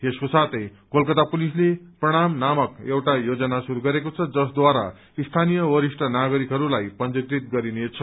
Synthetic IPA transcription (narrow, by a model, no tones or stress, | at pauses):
eskosat̪ʌjkolkʌt̪apulisleprʌɽ̃amnamʌkewʈajod͡zʌnasuɾuɡʌɾekot͡sʰʌd͡zʌsd̪waɾa̰ | ist̪ʰanijʌwʌɾisʈʌnaɡʌɾikɦʌɾulajpʌnd͡zikɾit̪̚ɡʌɾinet͡sʰʌ